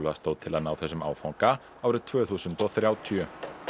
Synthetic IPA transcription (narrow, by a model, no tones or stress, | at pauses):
lst̪oːwt̪ʰɪlaðnaːwθɛsːʏma̰ːwfawŋka | aːwɾʏt̪ʰvœːθuːsʏnt̪ɔθɾjaːwt̪ʰjœ